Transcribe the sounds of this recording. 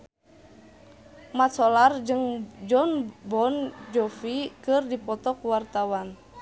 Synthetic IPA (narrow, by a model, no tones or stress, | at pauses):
mat̪sɔlard͡ʒɨŋd͡ʒɔnbɔnd͡ʒɔfikɨrdipɔt̪ɔkuwart̪awan